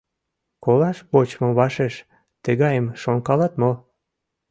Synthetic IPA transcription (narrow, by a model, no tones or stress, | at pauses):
kolɑʃβot͡ɕmɤmβɑʃeʃ | t̪əɣɑjəmʃoŋkɑlɑt̪mo